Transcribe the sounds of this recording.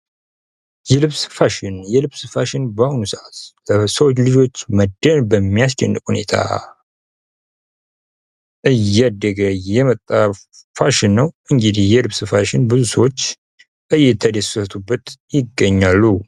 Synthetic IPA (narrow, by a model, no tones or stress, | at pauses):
jɛlɨβsɨ̥faʃɪnjɛlɨβsɨfaʃɪnbahunusʔat̪ləsəwot͡ʃːlɨd͡ʒo̞t͡ʃːməd̪ːənbəmːijas̬t͡ʃʼɛ̰nːɨkʼhune̞̰t̪ʰa̰ | ʔɨjːad̪ːəɡəjɛmət̪ʼːa | faʃɪnːəwʔɨŋɡɨd̪ihjɛlɨβsɨfaʃɪnbɨzusəwot͡ʃː | ʔɨjːɛt̪ʰəd̪əsət̪ʰʼubːət̪jɪɡːəɲːalːu